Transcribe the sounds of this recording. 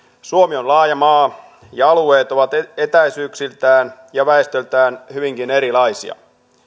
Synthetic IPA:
suomionlɑːjɑmɑː | jɑɑlueːt̪o̞ʋɑt̪et̪æisyːksilt̪æːnjɑʋæest̪ølt̪æːnhyʋiŋkine̞ɾilɑisḭɑ̰

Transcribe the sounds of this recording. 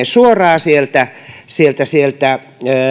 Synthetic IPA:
esuorɑːsielt̪æsielt̪æsielt̪æ

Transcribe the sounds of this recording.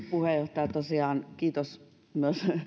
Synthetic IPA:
puhejoht̪ɑjɑt̪osiɑːnkiːt̪os | myøs

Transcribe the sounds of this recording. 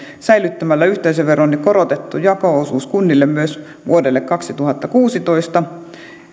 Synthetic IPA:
sæilyt̪ːæmælːæyht̪eiseʋʋeronːikkoɾot̪et̪ːujɑkoˑosuːskunːilːemmyøs | ʋṵodelːekkɑksit̪uhɑt̪ːɑkuːsit̪oist̪ɑ

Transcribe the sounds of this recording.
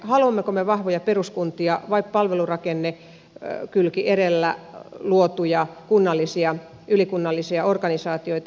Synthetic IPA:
hɑluɑmːekomeʋɑhʋojɑperuskunt̪iɑʋɑippɑlʋelurɑkenːe | kylkiʔeɾelːæ̰luot̪ujɑkunːɑlːisiɑ | ylikunːɑlːisiɑorkɑnisɑːt̪ioit̪ɑ

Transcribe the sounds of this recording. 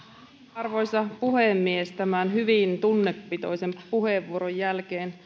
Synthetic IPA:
ɑrʋo̞jsɑpuhemːiest̪æmænhyʋint̪unːepːit̪o̞̰jsempuheʋːuoɾojjælkeːn

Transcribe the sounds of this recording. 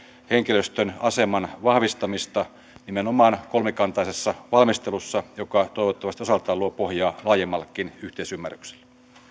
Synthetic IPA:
heŋkiløst̪ønɑsemɑnʋɑhʋist̪ɑmist̪ɑ | nimenomɑːnkolmekɑnt̪ɑisesːɑʋɑlmist̪elusːɑjokɑt̪oiʋot̪ːɑʋɑst̪iosɑlt̪ɑːluopohjɑːlɑːjemːɑlːkːˑinyht̪eisymːærykse̥l̥ː

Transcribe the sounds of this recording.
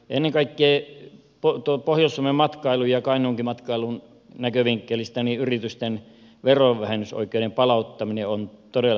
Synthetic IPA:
ḛnːeŋkɑikːeeː | pot̪opohjoˑsːuomemmɑt̪kɑilujjɑkɑˑinoŋkimɑt̪kɑˑilun | nækøʋiŋkːelist̪æniyrit̪yst̪en | ʋeroʋʋæhenyso̰ikːˑeˑinempɑlɑˑut̪ːɑmineont̪odel

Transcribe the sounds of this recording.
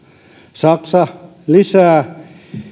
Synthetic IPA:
sɑksɑ | lisæː

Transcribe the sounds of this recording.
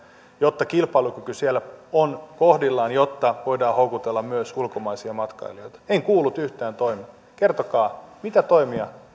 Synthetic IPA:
jot̪ːɑkilpɑlukykysielːæonkohdilːɑːnjot̪ːɑʋoidɑːhoukut̪elːɑmmyøsulkomɑisiɑmɑt̪kɑ̰ilioit̪ɑ̥eŋkuːlːut̪yht̪æːnt̪oimi | kert̪okɑːmit̪æt̪oimiɑ

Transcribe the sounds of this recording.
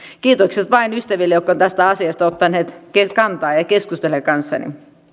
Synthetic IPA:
kiːt̪okset̪ʋɑinyst̪æʋilːejokːont̪æst̪æɑsiɑst̪ɑot̪ːɑnːeːt̪kekɑnt̪ɑːjɑkeskust̪elekɑnsːɑ̰nḭ

